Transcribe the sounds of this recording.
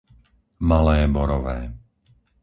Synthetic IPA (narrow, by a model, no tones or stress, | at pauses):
malɛːbɔɾɔʋɛː